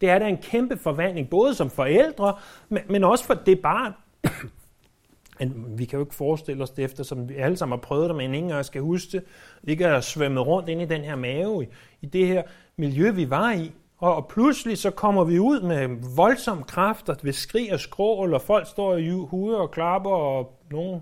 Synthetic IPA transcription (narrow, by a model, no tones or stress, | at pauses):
d̥e̝æɐɾæe̝nkʰemb̥əfɒ̽ʋæn̰le̝ŋb̥ɔ̽ːð̞ˠəsɒ̽mfɒ̽el̰d̥ʁɐmenɒ̽sə̥fɒ̽d̥e̝b̥ɑ̈ːn | æʋikʰæjo̝e̝ɡ̥fɒːsd̥e̝l̰ɒ̽sd̥e̝efd̥ɐsɒ̽mʋiæləsɑ̈m̰n̩hɑ̈pʰʁœːʊð̩̥ˠemeeneŋŋjasɡ̥æhusɡ̥əe̝ɡ̥əsʋeməð̩ˠʁɔ̽n̰d̥e̝n̰id̥enɦeɐ̰mɛːʊi | id̥e̝heɐ̰ | miljøʋiʋɑ̈i | ɒ̽pʰluslisɒ̽kʰɒ̽m̰ɐʋiuð̞̰ˠmeʋɒ̽lsɒ̽m̰kʰʁɑfd̥ɐʋe̝sɡ̥ʁḭːɒsɡ̥ʁɔ̰ːlɒfɒ̽l̰ɡ̥sd̥ɒ̰ːihuːðˠɒ̽kʰlɑ̈b̥ɐɒ | no̝ːn̩